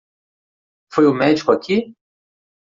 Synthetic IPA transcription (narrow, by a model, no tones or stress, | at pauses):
fojʊmɛd͡ʒikʊakʰi